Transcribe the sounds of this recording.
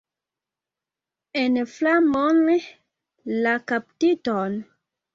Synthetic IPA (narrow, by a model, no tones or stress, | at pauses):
enflamon | lakap̚titon